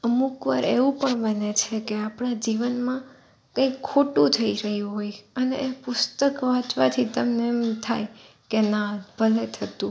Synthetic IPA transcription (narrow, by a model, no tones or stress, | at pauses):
əmukʋaɾeʋũpəɳbənet͡ʃʰekeapɳad͡ʒiʋənmã | kə̃ikʰːoʈũt̪ʰəiɾəɦjũɦojəneʔepʊst̪əkʋãt͡ʃʋat̪ʰit̪əmnemt̪ʰaj | kenab̥ʱəlet̪ʰət̪ũ